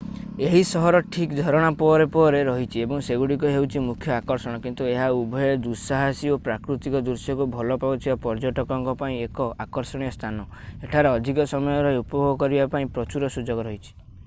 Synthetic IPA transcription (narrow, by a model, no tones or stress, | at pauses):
eɦisɔɦɔɾɔʈʰikd̪ʱɔɾɔɽ̃apɔɾepɔɾeɾɔɦit͡ʃʰiebɔŋseɡuɽikuɦewt͡ʃʰimukʰjɔakɔɾsɔɽ̃ɔkint̪ueɦaubʱɔjɔd̪usaɦasiopɾakɾut̪ikɔd̪uɾsjɔkubʱɔlɔpabut̪ʰibapɔɾd͡ʒɔʈɔkɔŋkɔpaĩekɔʔakɔɾsɔɽ̃ijɔst̪ʰanɔ | eʈʰaɾeɔd̪ʱikɔsɔmɔjɔɾɔupɔbʱoɡɔkɔɾibapaĩpɾɔt͡ʃuɾɔsud͡ʒɔɡɔɾɔɦit͡ʃʰi̥